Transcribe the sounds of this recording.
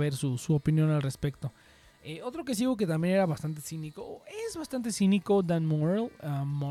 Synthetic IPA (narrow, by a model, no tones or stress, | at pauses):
βeɾsusuopinjo̞nalre̞spe̞kt̪o̞ | eo̞t̪ɾo̞k̬es̬iɣok̬e̞t̪ambje̞neɾaβast̪ant̪̬esinikoezβast̪ant̪̬esinikod̪anmoɾalamo